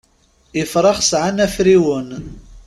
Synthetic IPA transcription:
ɪfɾˤɑχsʕanæfɾiwən

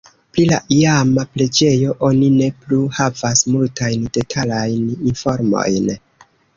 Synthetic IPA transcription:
pɾilaʔijamaple̞d͡ʒe̞jo̞ʔo̞nine̞pluhavasmultajnd̥e̞tʰalajninfo̞ɾmo̞̰jn

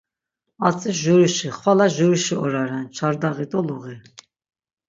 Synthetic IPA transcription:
at͡sʼiʒuɾiʃiχwalaʒuɾiʃiɔɾaɾɛnt͡ʃʰaɾd̪aɣit̪ʼɔluɣi

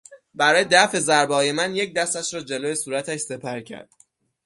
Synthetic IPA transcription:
bæɾɒːjed̪æfe̞zæɾbɒːje̞mænjec̚d̪æst̪æʃɾɒːd͡ʒeloːjesuːɾæt̪ʰæʃse̞pʰæɾcʰæ̰ɾd̪̥

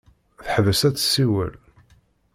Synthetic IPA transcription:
θəħvəsæt͡sːsːiwə̰l

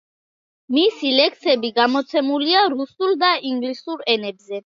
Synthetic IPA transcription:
misilɛksɛbiɡamɔt̪sʰɛmuliaɾusulˠd̪aiŋɡlisuɾɛnɛbzɛ

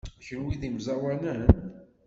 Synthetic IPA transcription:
æçənwiðimzæwænən

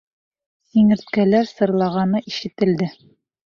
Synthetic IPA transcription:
iŋɘ̆ɾt̪kælæɾsɤ̆ɾlˠɑʁɑnɤʔiʃɘ̆t̪ɘ̆ld̪ɘ

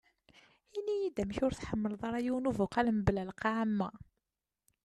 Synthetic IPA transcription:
inijid̪æmçʊɾθħəmːəlðˤɑɾˤæjuwnuvuqɑləmblælqɑʕamːæ

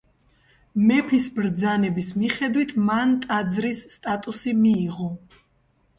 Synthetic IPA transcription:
mɛpʰisbɾd̪zanɛbismiχɛd̪wit̪ʰmant̪ʼad̪zɾisːt̪ʼat̪ʼusimiːʁɔ

